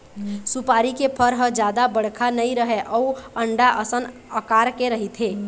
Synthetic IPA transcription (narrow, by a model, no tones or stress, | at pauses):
supaɾikepʰəɾɦəd͡ʒad̪abəɽ̤kʰanəjɾəɦɛʔɔuəɳɖaʔəsən | əkaɾkeɾəɦit̪ɦe